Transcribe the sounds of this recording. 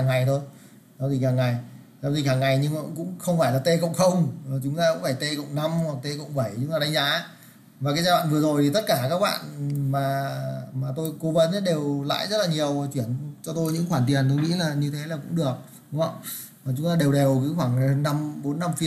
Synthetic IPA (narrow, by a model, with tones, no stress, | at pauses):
aː˨˩ŋːa˨˩jt̪ʰo˧j | sɔ˨˦t̪ʰi˨˩haː˨˩ŋːa˨˩j | sɔ˨˦t̪ʰi˨˩haː˨˩ŋːa˨˩jɲɨ˧ŋa˧˨kʊ̰˧˥ŋ͡mxə˧wŋ͡mfaː˧˩jlaː˨˩t̪e˧kə̰˧˨wŋ͡mxə˧wŋ͡mt͡ɕʊ˨˦ŋ͡mt̪aː˧kʊ̰˧˥faː˧˩jt̪e˧kə̰˧˨wŋ͡mna˧ma˨˩t̪e˧kə̰˧˨wŋ͡mɓə˧˩jt͡ɕʊ˨˦ŋ͡mtaː˨˩ɗa˨˧˦ŋzaː˨˦ | vaː˨˩kaː˨˦jzaː˧wa̰ː˧˨nvɨ˨˩ə˩zo˨˩jt̪ʰi˨˩t̪ə˦˥t̚kaː˧˩kaː˦˥k̚ɓa̰ː˧˨nmaː˨˩maː˨˩t̪o˧jko˨˦və˨˦na˨˦ɗe˨˩wla̰ː˧˨jzə˦˥t̚laː˨˩ɲi˨˩əwt͡ɕwi˧˩ənt͡ɕɔ˧t̪o˧jɲɨ̰˧˥ŋxwaː˧˩nt̪i˨˩ənt̪̬o˧jŋḭ˧˥laː˨˩ɲɨ˧t̪ʰe˨˦laː˨˩kʊ̰˧˥ŋ͡mɗɨ˨˩ək̚ | ɗŋ͡mhə̰˧˨wŋ͡m | aː˨˩t͡ɕʊ˨˦ŋ͡mt̪aː˧ɗe˨˩wɗe˨˩wkɨ˨˦xwaː˧˩ŋ˨hə˧nːa˧mɓo˨˦nːa˧mfi˧